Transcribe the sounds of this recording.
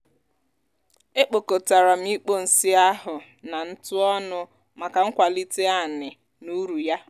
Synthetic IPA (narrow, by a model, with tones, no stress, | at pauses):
e˦k͡po˨ko˨ta˨ɾa˨m̩˦i˦k͡po˦n̩˨si˦a˦ɦʊ˨ | na˨n̩˦tʊ˦ɔ˦nʊ˦ | ma˨ka˨ŋ̩˦kʷa˨li˦te˦a˦˨nɪ˨ | nu˦ɾu˨ja˦